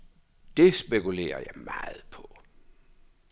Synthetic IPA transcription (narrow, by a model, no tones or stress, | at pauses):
d̥e̝sb̥e̝kule̝̰ːɐjɑ̈ɪmɑ̈ːð̩ˠpʰɔ̽